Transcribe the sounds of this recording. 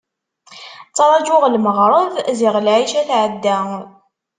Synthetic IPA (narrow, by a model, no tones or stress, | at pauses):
t͡sˤːɑɾˤɑd͡ʒʊʁlməʁɾˤəðziʁlʕiʃæθʕəd̪ːæ